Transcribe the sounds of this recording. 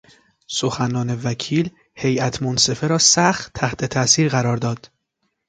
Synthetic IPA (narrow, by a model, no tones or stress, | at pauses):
soxænɒːne̞væcʰiːl | he̞jæt̪ʰmonse̞feɾɒːsæxt̪ʰːæht̪ʰe̞t̪ʰæsiːɾɣæɾɒːɾd̪ɒːd̪̥